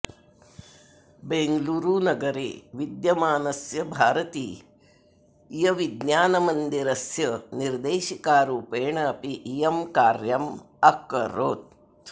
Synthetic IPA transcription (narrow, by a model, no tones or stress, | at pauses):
beŋɡluːɾunɐɡɐɾḛːʋid̪jɐmaːnɐsjɐbʱaːɾɐt̪iː | jɐʋid̪naːnɐmɐnd̪iɾɐsjɐniɾd̪eːʃikaːɾuːpeːɳɐːpiʔːjɐmkaːɾjɐm | ɐkɐ̰ɾoːt̪̚